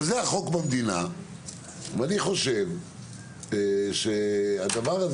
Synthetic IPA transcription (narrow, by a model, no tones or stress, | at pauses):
zeaχo̞kbamd̪ina̰ | vaniχo̞ʃe̞v | ʃead̪avaʁaz